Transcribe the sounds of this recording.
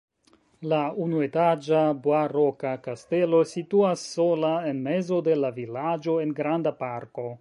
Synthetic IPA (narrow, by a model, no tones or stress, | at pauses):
launue̞tad͡ʒaboaɾo̞kakaste̞lo̞situasːolae̞nme̞zo̞de̞lavilad͡ʒo̞e̞nɡɾandapaɾko̞